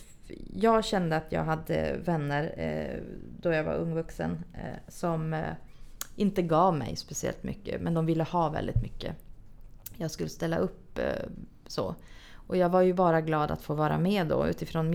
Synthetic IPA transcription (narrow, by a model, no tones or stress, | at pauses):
jɑːɡɕɛnd̪əat̪ʰjɑ̰ːɡɦad̪ːə̰vɛnːəɾ | d̪ɔjaːɡva̰ɾɵŋːvɵksə̰nsɔm | ɪnt̪əɡɑːvmɛ̰jspɛsɪɛ̰lt̪mʏ̰kːə̰mɛnd̪ɔmvɪlːəhɑːvɛ̰ld̪ɪt̪mʏkːə̰ | jɑːɡskɵlːəst̪ɛlːaʔɵpː | so̰ːʔɔjɑːɡvaɾjɵbɑːɾaɡlɑːd̪a̰t̪foːvɑːɾa̰meːd̪ɔ̰ʉ̟̰ːt̪ɪfɾoːnm